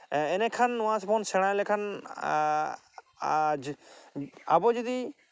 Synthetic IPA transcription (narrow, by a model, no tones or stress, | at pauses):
ɛnɛkʰanʊ̃ɦãsɔpʰɔnsɛɽ̃ãlɛkʰan | d͡ʒ | abɔd͡ʒɔd̪i